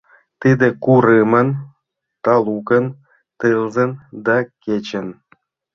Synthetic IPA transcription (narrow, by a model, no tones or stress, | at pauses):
t̪id̪ĕkuɾɨmə̆n | t̪ɑlˠukə̆n | t̪ɨlˠzə̆nd̪ɑkʲet͡ɕə̆n